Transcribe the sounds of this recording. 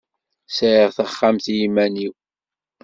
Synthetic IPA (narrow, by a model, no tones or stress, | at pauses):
sʕɪʁθəχːamθjimæniw